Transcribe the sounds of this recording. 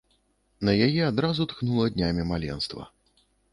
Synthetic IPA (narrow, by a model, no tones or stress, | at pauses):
nɐjajɛad̪ɾazut̪knulˠɐd̪ʲnʲamʲimalʲɛ̰nst̪vɐ̰